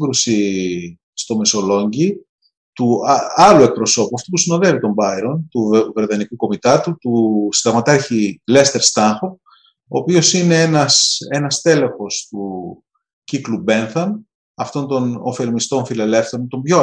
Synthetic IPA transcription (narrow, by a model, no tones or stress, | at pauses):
ɡɾusi | st̪o̞me̞so̞lo̞ɲɟi | t̪uɐlue̞k̚pɾo̞so̞puɐft̪opusino̞ðevit̪o̞mbɐiɾo̞nt̪uve̞ɾðɐnikuko̞mit̪ɐt̪ut̪usid̪ɐɣmɐt̪ɐɾçile̞st̪e̞ɾst̪ɐŋxo̞p̚ | oːpio̞sine̞enɐse̞nɐst̪e̞le̞xo̞st̪u | ciklube̞nθɐm | ɐft̪o̞nt̪o̞nofe̞lmist̪o̞nfile̞le̞fθe̞ɾont̪o̞mbʝo